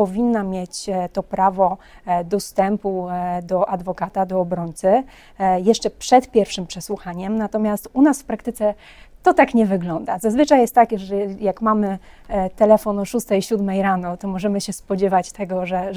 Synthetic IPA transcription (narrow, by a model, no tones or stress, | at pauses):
pɔvʲinːamʲjet͡ɕt̪ɔpɾavɔ | d̪ɔst̪ɛmpud̪ɔʔad̪vɔkat̪ad̪ɔːbɾɔɲt̪sɘ | jɛʂt͡ʂɛpʂɛt̪pʲjɛɾfʂɘmpʂɛswuxaɲɛmnat̪ɔmʲjast̪unasfpɾak̚t̪ɘt̪sɛ | t̪ɔt̪akɲɛvɘɡlɔnd̪azazvɘt͡ʂajɛst̪t̪ːakʲɛʐɛjakmamɘ | t̪ɛlɛfɔnɔʂust̪ɛiɕud̪mɛjɾanɔt̪ɔmɔʐɛmɘɕɛspɔd͡ʑɛvat͡ɕt̪ɛɡɔʐɛ